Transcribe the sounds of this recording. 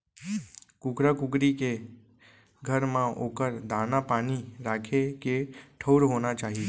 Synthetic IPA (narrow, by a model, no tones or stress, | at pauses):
kʊkɾakʊkɾike | ɡʱəɾmãokəɾd̪anapaniɾakʰekeʈʰəwɾɦonat͡ʃaɦie